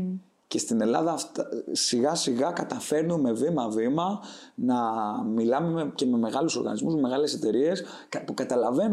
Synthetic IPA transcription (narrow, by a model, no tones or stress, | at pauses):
ce̞st̪ine̞lɐðɐft̪siɣɐsiɣɐkɐt̪ɐfe̞ɾnome̞vimɐvimɐ | nɐmilɐmece̞me̞me̞ɣɐluso̞ɾɣɐ̰nizmuzmeme̞ɣɐle̞se̞t̪e̞ɾie̞s | pukɐt̪ɐlɐve̞n